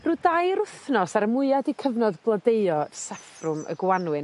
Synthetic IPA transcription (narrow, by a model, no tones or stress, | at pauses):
ruːdaːjɾʊθnɔsaɾəmʊɨadikʰəvnɔdblˠədeɨɔsafrʊmə̰ɡwanwɨn